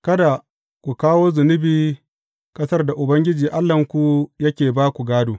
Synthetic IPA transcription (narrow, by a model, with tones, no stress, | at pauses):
kɐ˦da˨ | kʷu˨kaː˦woː˦zʊ˨nɪ˦biː˦ | kʼɐ˦sɐ˦rda˨ʔʊ˨bɐ˦ŋɡʲɪ˦d͡ʒiː˨ʔa˦lːɐ˨ŋkʷu˨jɐ˦kʲeː˨baː˦kʷu˨ɡaː˦duː˨